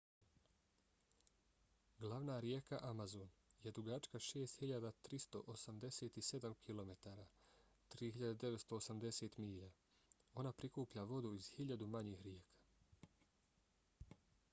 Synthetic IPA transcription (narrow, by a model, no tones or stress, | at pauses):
ɡlˠaʋnaːɾje̞kaʔamazonje̞d̪ɾuɡat͡ʃkaʃe̞ːst̪hiʎad̪at̪ɾist̪o̞ʔosamd̪e̞seːt̪ise̞d̪amkʰilˠo̞me̞t̪aːɾaː | t̪ɾiːhiʎad̪ed̪e̞ʋet̪st̪oːsamd̪e̞se̞ːt̪miːʎa | o̞napɾikuːpʎaʋo̞d̪uiz̥hiʎad̪umaɲiːxɾje̞ːkʰḁː